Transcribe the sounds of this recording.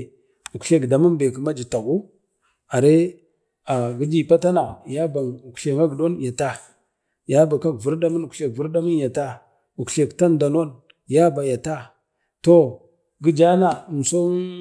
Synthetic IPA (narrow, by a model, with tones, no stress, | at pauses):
u˨kɬe˦kda˨mu˦nbe˨kə˨ma˦d͡ʒi˨ta˨ɡu˦ | a˨ɾe˦ | a˨ɡi˦d͡ʒi˨pa˦ta˦na˨ja˦ba˨u˨kɬe˨ŋa˦ɡdo˦nja˨ta˦ | ja˦ba˨ka˦kvu˦ɾda˦mu˦nu˨ke˨kvu˦ɾda˦mi˦nja˨ta˦ | u˨kɬe˨kta˦nda˨no˦n | ja˦ba˨ja˨ta˦ | to˦ | ɡi˦d͡ʒa˦na˨m˨so˦